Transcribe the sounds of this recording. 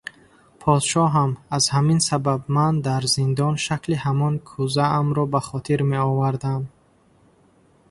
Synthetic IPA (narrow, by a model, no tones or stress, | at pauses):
pʰɔd̪ʃɔɦamazhaminsababmand̪aɾzind̪ɔnʃaklihamɔnkʰuzaːmɾɔbaχɔt̪ʰiɾme̞ɔvaɾd̪am